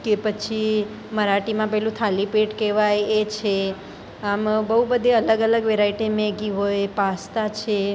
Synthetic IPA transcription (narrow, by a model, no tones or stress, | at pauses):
kepət͡ʃʰi | məɾaʈimãpɛɦlũt̪ʰalipeʈkeʋajet͡ʃʰe | ambəɦubəd̪ʱeələɡələɡʋeɾaiʈemẽɡiɦojpast̪at͡ʃʰe